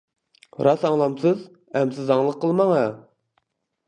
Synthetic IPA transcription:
ɾɑsɑŋlˠɑmsɨz | ɛmsɪzɑŋlˠəqʰːəlˠmɑŋɑ

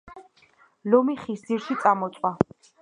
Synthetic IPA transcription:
lɔmiχisdziɾʃit̪sʼamɔt̪sʼwa

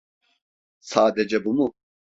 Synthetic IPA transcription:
saːd̪ed͡ʒɛbumu

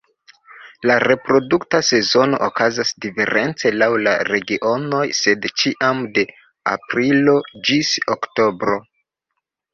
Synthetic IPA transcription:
laɾe̞pɾo̞duktase̞zo̞no̞̰ʔokazasdife̞̰ɾʔe̞nt͡se̞lawla̰ɾe̞ɡiʔo̞no̞jse̞dt͡ʃiʔamde̞ | a̰pɾilo̞d͡ʒisokto̞bɾo̞

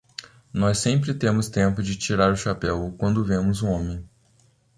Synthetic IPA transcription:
nɔsːẽmpɾɪt̪ẽmʊst̪ẽmpʊd͡ʒɪt͡ʃiɾaɾʊʃapɛwkwɐ̃nd̪ʊvẽmʊzũõmẽj̃

